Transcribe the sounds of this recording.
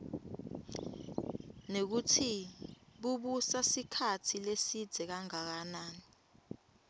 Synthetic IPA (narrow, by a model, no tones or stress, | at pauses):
nek̬utʰiɓuɓusasikʰatʰilesid̥z̥ʱɛk̬aŋak̬anaːni